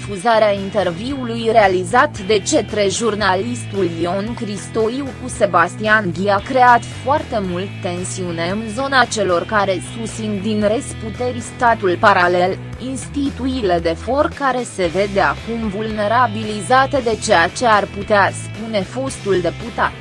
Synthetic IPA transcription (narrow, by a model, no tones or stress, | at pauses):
fuzaɾeaint̪e̞rviulujɾealizat̪d̪e̞t͡ʃe̞t̪ɾe̞ʒurnalist̪uljo̞nkɾist̪oiwkuse̞bast̪ianɡ̪ʲiakɾe̞at̪foart̪e̞mult̪t̪ːe̞nsiune̞ɨnzo̞nat͡ʃe̞lo̞rkaɾe̞susind̪inɾest̪put̪e̞rʲst̪at̪ulpaɾale̞l | inst̪it̪uiled̪e̞fo̞rkaɾe̞se̞ve̞d̪eakumvulne̞ɾabilizat̪ed̪e̞t͡ʃe̞jat͡ʃe̞arput̪easpune̞fo̞st̪uld̪e̞put̪a̰t̪